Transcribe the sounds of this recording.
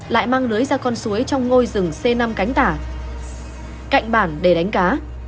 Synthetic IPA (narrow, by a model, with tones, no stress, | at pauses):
la̰ː˧˨jmaː˧ŋlɨ˨˦əjzaː˧kɔ˧nsu˨˦əjt͡ɕɔ˧wŋ͡mŋo˧jzɨ˨˩ŋse˧na˧mka˨˦jŋ̟t̪aː˧˩ | ka̰˧˨jŋ̟ɓaː˧˩nɗe˧˩ɗa˨˦jŋ̟kaː˨˦